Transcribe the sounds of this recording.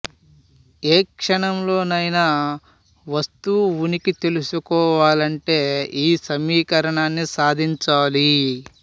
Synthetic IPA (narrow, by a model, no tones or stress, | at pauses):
eːkʂɐɳɐmlo̞ːnɐjna | ʋɐst̪uunikit̪e̞lusukɔːʋaːlɐɳʈe̞ːiːsɐmiːkɐɾɐɳaːnːisaːd̪ʱiɲt͡ʃaːli